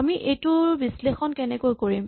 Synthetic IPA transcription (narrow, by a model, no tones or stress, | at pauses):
amiʔejtʊɹbislexɔnkɛnɛkojkoɹim